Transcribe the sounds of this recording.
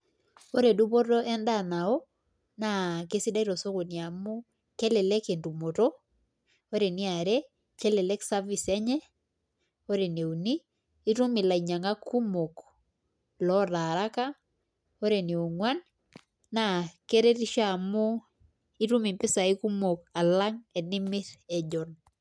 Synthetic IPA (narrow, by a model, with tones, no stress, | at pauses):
o˦ɾe˨du˦po˦to˦ʔɛ˦nda˦˨na˨o˦ | na˨ke˦si˦da˦i˦ɾɔ˨so˦ko˨nia˨mʊ˦ | kɛ˦lɛ˨lɛ˦ke˨ndu˨mo˨to˦ | o˦ɾe˨ni˦a˨ɾe˦ | kɛ˦lɛ˨lɛ˦ksa˦vi˨sɛ˦ɲɛ˦ | o˦ɾe˨ne˨u˨niː˦ | ɾu˦mi˨la˨i˨ɲa˨ŋa˦ku˦mo˨k | lɔ˦ɾa˨ɾa˦ka˦ | o˦ɾe˨ni˨u˨ŋwan | na˨ke˦ɾɛ˦ɾi˦ʃa˨mo˦ | i˦ɾu˦mi˨mpɪ˦sa˨i˦ku˦mo˨ka˨la˦ŋɛ˨nɪ˦mɪ˦ɾɛ˨d͡ʒɔ˨n